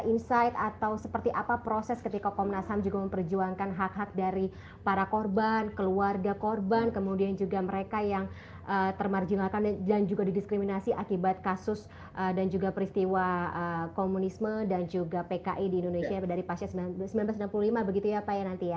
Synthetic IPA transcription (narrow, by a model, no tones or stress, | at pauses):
ʔinsajt̪at̪awsəpərt̪iʔapapɾosɛskət̪ikakɔmnashamd͡ʒuɡaməmpərd͡ʒuaŋkanɦak̚ɦak̚daɾi | paɾakorbankəluarɡakorbankəmudiand͡ʒuɡaməɾekajaŋ | ʔət̪ərmard͡ʒinakandand͡ʒuɡadidiskɾiminasiʔakibat̪̚kasʊs | ʔədand͡ʒuɡapəɾist̪iwaəkomunismədand͡ʒuɡapekaʔidiːndonesiadaɾipasʃasəmsəmbilanblasminanpululimabəɡit̪ujapajanant̪ija